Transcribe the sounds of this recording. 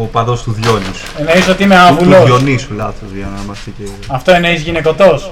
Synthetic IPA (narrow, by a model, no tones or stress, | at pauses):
opɐðo̞st̪uðʝonisu̥eneisot̪iimeavuloonisulɐθozʝɐnɐmɐst̪iceiɐft̪o̞eneizʝineko̞t̪o̞s